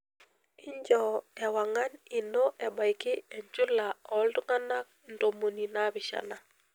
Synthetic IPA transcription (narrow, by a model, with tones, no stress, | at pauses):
ɪ˦ɲd͡ʒɔ˨ɛ˨wa˨ŋa˦ni˨no˦ʔɛ˨ba˨jkɪ˦ɛ˨ɲd͡ʒʊ˦la˨ɔ˨˦ldʊ˦ŋa˦na˦k̚ndo˨mo˨ni˨na˦bɪ˨ʃa̰˨na˨